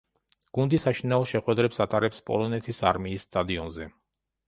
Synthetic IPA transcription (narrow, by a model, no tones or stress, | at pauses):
ɡ̥und̪isaʃinaɔʃɛχwɛd̪ɾɛpsat̪ʼaɾɛpspʼɔ̰lˠɔnɛt̪ʰisaɾmiːsːt̪ʼad̪iɔnzɛ